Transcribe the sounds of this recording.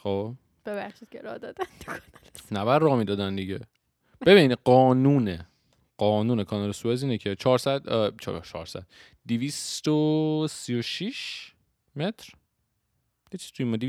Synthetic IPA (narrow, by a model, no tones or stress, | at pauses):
xob | b̥ebæχʃid̪̚cʰeɾɒ̰hd̪ɒːd̪ænd̪kʰɒnlnæbæɾːɒːmiːd̪ɒːd̪ænd̪iɟe | b̥e̞biniɢɒːnuːne | ɢɒːnuːnekʰɒːnɒlesueziːnecʰet͡ʃʰɒːɾsæd̪t͡ʃʰt͡ʃʰɒ̰ːɾsæ̰d̪̥ | d̪ivist̪osijoʃiʃ | met̪ʰɾ | jet͡ʃʰiz̥t̪ʰuimɒd̪i